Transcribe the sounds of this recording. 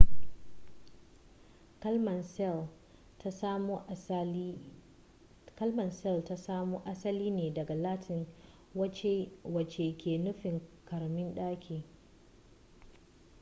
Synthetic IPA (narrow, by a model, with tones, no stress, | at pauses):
m˨˦ | kɐ˦lmɐ˨nsɛ˦˨lta˦sa˦moː˦ʔa˦sɐ˦liː˦neː˨dɐ˨ɡa˨laː˦tʰɪ˨ŋ˦˨ | wɐ˨t͡ʃe˨kʲʰeː˨nʊ˦ɸɪ˨ŋkʰɐ˨ɾmɪ˦nɗaː˦kʲʰeː˨